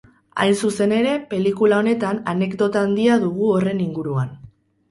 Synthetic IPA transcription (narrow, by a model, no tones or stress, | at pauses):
a̰jnsuse̞ne̞ɾe̞pe̞likulao̞ne̞t̪anane̞kd̪o̞t̪aːnd̪iaðuɣ̞uo̞re̞niŋɡuɾuan